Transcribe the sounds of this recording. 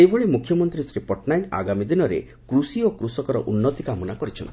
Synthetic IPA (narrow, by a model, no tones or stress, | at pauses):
ebɔɭemukʰjɔmɔnt̪ɾisɾipɔʈnajna̰ɡamid̪inɔɾḛ | kɾusiokɾusɔkɔɾɔ̰ʔunːɔt̪ikamɔnakɔɾit͡ʃʰɔnt̪i̥